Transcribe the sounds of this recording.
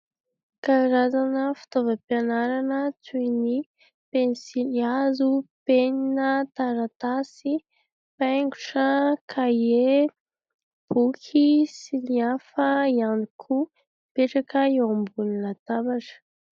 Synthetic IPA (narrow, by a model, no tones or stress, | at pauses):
kaɾazanəfi̥t̪ovəpianaɾanət͡sujni | penisiliazupeninət̪aɾat̪asi | paŋɡu̥ʈ͡ʂəkʰae | b̥ukʰisiliafəianikʰu | peʈ͡ʂakəewambuninat̪abaʈ͡ʂə̥